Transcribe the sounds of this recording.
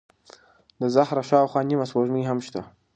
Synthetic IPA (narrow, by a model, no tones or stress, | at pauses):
d̪əzahɾaʃɑwxwɑnimaswoʒmiɦamʃt̪a